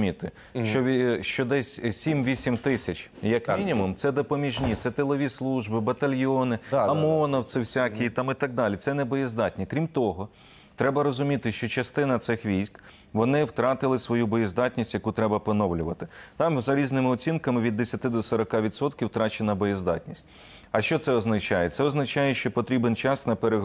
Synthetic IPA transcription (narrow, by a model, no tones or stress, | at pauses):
mʲit̪ɪ | ʃt͡ʃt͡ʃɔʋʲʃt͡ʃɔd̪ɛsʲsʲimʋʲisʲimt̪ɪsʲɐt͡ʃʲjɐkmʲinʲimʊmt̪sɛd̪ɔpɔmʲiʒnʲit̪sɛt̪elˠɔʋʲislˠuʒbɪbɐt̪ɐlʲjɔnɪɐmɔnɐwt̪sɪwsʲakʲiit̪ɑmit̪ɐɡ̚d̪ɑlʲit̪sɛnɛbɔjizd̪ɑtʲnʲikɾʲimt̪ɔɦɔ | t̪ɾɛbɐɾɔzʊmʲit̪ɪʃt͡ʃɔt͡ʃɐst̪ɪnɐt̪sɪxʋʲijsʲk | ʋɔnɪwt̪ɾɑt̪ɪlˠɪsʋɔjubɔjizd̪ɑtʲnʲisʲtʲjɐkut̪ɾɛbɐpɔnɔwlʲʊʋɐt̪ɪt̪ɑmzɐɾʲiznɪmɪɔt͡sʲinkɐmɪʋʲid̪ːesʲɐt̪ɪd̪ɔsɔɾɐkɑʋʲid̪sɔt̪kʲiwt̪ɾɑt͡ʃenɐbɔjizd̪ɑ̰tʲnʲisʲt̚ʲ | ɐʃt͡ʃɔt̪sɛɔznɐt͡ʃɑjɛt̪sɛɔznɐt͡ʃɑjɛʃt͡ʃɔpɔt̪ɾʲibent͡ʃɑsnɐpeɾeɦ